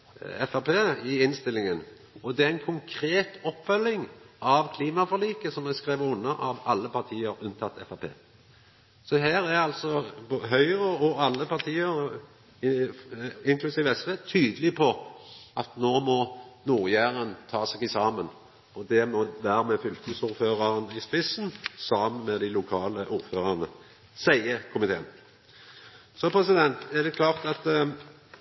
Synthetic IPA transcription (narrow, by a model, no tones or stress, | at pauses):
ɛfæpʰeːɪɪnst̪ɪlːɪŋən | ɔd̪ɛæɛnkʰʊŋkʰɾeːt̪ɔpːfœlːɪŋɑʋkʰliːmɑfɔliːkəsɔmɛskʁeːʋəʊnːəʔɑʋɑlːəpʰɑɾt̪ʰiːəɾʉnt̪ʰɑt̪ːɛfɑpʰḛː | sɔɦæːɾæɾɑlsɔboɦœʏʁəɔɑlːəpʰɑɾt̪ʰiːəɾ | ɪŋkʰlʉsiːʋəɛsʋeːt̪ʰyːd̪əlɪpʰɔʔɑt̪noːmɔnuːʁjæːʁənt̪ʰɑːsɛɡɪsɑːmən | ɔd̪ɛmɔd̪æɾmɛfʏlk̪əsuːɾføːʁɑʁənəɪspɪsənsɑːmənmɛd̪æɪlʊkʰɑːləʔuːɾføːʁɑʁnə | sæɪəkʰʊmɪt̪ʰḛːən | sɔpʰɾɛsɪd̪ɛnt̪ɛd̪ɛkʰlɑːʁt̪ɑt̪